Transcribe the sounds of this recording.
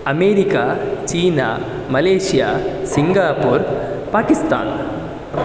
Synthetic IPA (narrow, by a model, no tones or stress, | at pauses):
ɐmeːɾikaːt͡ʃiːnaː | mɐleːʂijaːsiŋɡaːpuːɾpaːkist̪a̰ːn